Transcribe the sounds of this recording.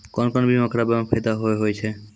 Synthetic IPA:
kɔnkɔnbimɔkɾabampʰet̪aɦoeɦojt͡ʃʰe

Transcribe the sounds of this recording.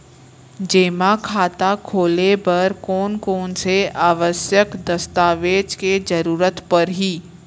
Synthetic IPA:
d͡ʒeːmakʰaːt̪akʰoːlebɐɾkɔːnkoːnseaːʋəsjəkd̪ɐst̪aːʋeːd͡ʒked͡ʒɐɾuːɾət̪pɐɾɦiː

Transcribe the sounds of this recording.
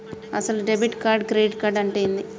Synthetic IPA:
ɐ̰sɐluɖebiʈkaːɾɖɡɾeːɖkaːɾɖɐɳʈeːjind̪i

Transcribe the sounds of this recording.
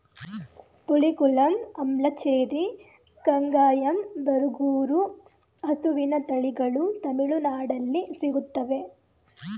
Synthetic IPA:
puɭikulɐnɐmlɐt͡ʃeːɾi | kɐŋɡaːjɐmbɐɾuɡuːɾu | ɐsuʋinɐt̪ɐɭiɡɐɭut̪ɐmiɭunaːɽɐlːisiɡut̪ːɐʋe̞

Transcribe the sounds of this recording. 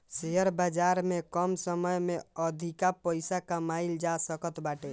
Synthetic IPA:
seɦəɾbad͡ʒaɾmekəmsəməjmeəd̪ʱikapəɪsakamaild͡ʒasəkət̪baʈe

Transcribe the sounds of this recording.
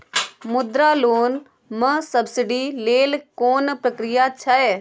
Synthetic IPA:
mʊd̪ɾaːloːn | məsɐbsɪɖileːlkoːnpɾəkɾɪjat͡ʃʰɐe

